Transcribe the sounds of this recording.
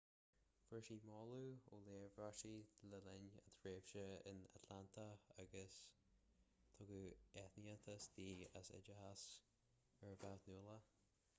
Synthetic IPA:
fəɹʃiːmɔːluːoleːvɹaʃiləlɪnə̰t̪ʰɹeːv̥ʃəɪ̰na̰t̪ʰlant̪ʰəaɡəs | t̪ʰʊɡuɛt̪niət̪ʰəsd̪iːə̰sɪ̰d͡ʒəhas | ɛɹəbawt̪nuːlˠə

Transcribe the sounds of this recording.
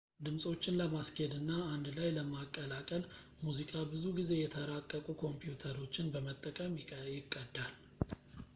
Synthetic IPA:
d̪ɨmsʼo̞t͡ʃːɪnləmasked̪ɨnːaːnd̪lajləmakʼːəlakʼəl | muzikʼabɨzuɡize̞jɛt̪ʰəɾakʼːəkʼukʰo̞mpjut̪ʰəɾo̞t͡ʃːɪnbəmət̪ʼːəkʼəmjɪjɪkʼːəd̪ːal

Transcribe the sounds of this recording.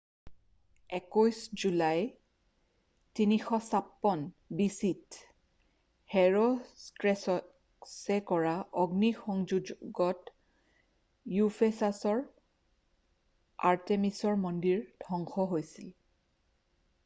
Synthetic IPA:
ɛkojsd͡ʒulaj | tinixɔsapːɔn | bisit | hɛɹostɹɛsɔ | sɛkɔɹaʔɔɡnixɔŋd͡ʒud͡ʒɡɔt | jupʰesasɔɹ | a̰ɹtemisɔɹmɔndiɹdʱɔŋxɔɦojsil

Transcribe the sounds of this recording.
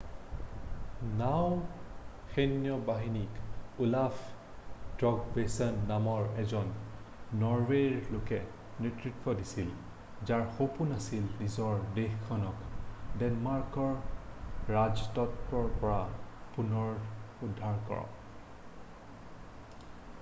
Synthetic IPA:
naw | xenijɔbaɦinikulaf | tɹɔɡbesɔnːamɔɹɛzɔnː | ɔɹweɹlokɛ | netɹitwɔdisil | zaɹxopunasilnizɔɹdexkʰːɔnɔkdɛnmaɹkɔɹ | ɹaztɔtɹɔɹpɔɹapunɔɹudʱːaɹkɔ̰ɹɔ̰

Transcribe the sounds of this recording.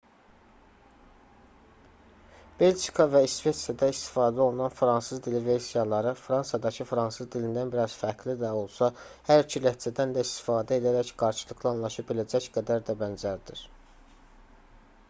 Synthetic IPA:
b̥e̞ld͡ʒi̥kʰɑvæisve̞t̪sijɑd̪ɑist̪i̥fɑːd̪æo̞lˠunɑnfɾɑnsɯzd̪ilive̞ɾsijɑlˠɑɾɯfɾɑnsjɑd̪ɑcʰɯfɾɑnsɯzd̪ilind̪ænbiɾɑz̥fæɾklid̪æo̞lˠsɑhæɾicʰilæh̪t͡ʃæd̪ænd̪æist̪i̥fɑːd̪æe̞d̪æɾæçɡ̥ɑɾʃɯlˠɯɡlˠɑnlˠɑʃɑpbilæd͡ʒæcɡæd̪æɾd̪æbænzæɾd̪iɾ

